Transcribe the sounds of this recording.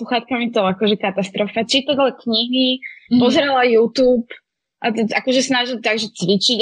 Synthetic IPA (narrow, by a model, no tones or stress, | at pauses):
uxaːt̪̚kamit̪ɔakɔʒɛkat̪ast̪ɾɔfat͡ʃit̪aɟlakɲiɦipɔzɾɛlajuːt̪uːp | ʔat̪ɛʔakɔʒɛsnaʒilt̪aɡʒɛt͡sʋit͡ʃiɟ